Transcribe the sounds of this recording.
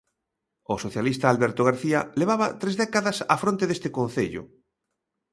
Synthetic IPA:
osoθjalist̪aːlβɛɾt̪oɣaɾθiɐleβ̞aβɐt̪ɾezðɛkaðɐsafɾõnt̪eðest̪ekon̟θeʎʊ̰

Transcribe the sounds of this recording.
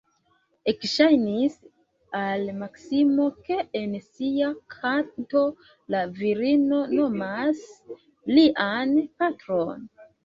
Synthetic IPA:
e̞kʃajnis | almaksimo̞ke̞ensiakʰato̞ | laviɾino̞no̞mas | liʔanpatɾo̞n

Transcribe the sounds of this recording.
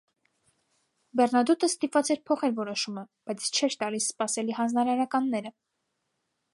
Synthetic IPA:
bɛrnɑd̪ut̪əst̪ipvɑt͡sɛɾpʰɔχɛɾvɔɾɔʃumə | b̥ɑjt͡sʰt͡ʃʰɛɾt̪ɑlisːpɑsɛliɦɑnd͡znɑɾɑɾɑkɑnːɛɾə

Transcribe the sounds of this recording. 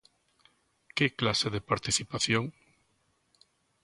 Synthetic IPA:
keklaseðepaɾt̪iθipaθjoŋ

